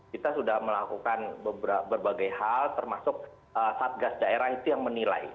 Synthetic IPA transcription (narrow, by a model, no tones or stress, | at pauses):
kit̪asudahməlakukanbəbɾabərbaɡajhalt̪ərmasʊk̚ | əsaːt̪̚ɡasdaeɾahit̪ujaŋmənila̰j